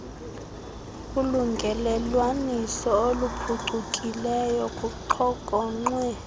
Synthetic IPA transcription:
kʼuluŋɡʱɛlɛlwanisɔolupʰuǀʱukʼilɛjɔkʼuǃʰɔkʼɔŋ͡ǀwɛ

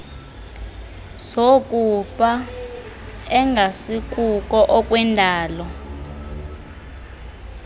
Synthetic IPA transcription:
sok̬ʼufa | ɛŋɡʱasik̬ʼukʼɔʔɔkʼwɛndʱaːlɔ

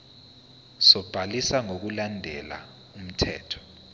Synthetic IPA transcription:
sɔb̥ʱalisaŋok̬ulandʱɛla̰ | um̩tʰɛ̰ːtʰɔ̥

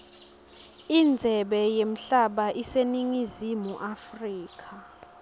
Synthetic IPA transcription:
ind͡zʱɛɓɛjem̩ɬaɓaʔiseniŋizimuʔafriːk̬ʰa

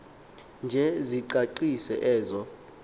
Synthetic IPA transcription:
nd͡ʒʱɛziǃaǃisɛ̰ʔɛːzɔ

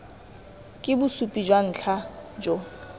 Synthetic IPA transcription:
kʼɪbʊsupʼid͡ʒwan̩ːt͡ɬʰad͡ʒɔ

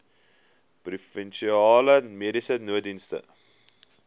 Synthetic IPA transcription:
prufɛnʃiɑːləmiɾisənuədinstə̰

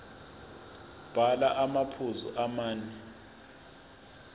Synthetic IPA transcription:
b̥ʱalaʔamapʰuzuʔamaːnɛ

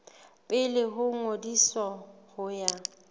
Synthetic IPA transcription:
pʼɪlɪɦʊŋodisɔhʊja

